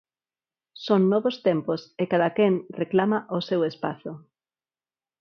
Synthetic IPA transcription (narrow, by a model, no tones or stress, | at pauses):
soŋnɔβost̪emposekaðakeŋreklamaʔosewespa̰θʊ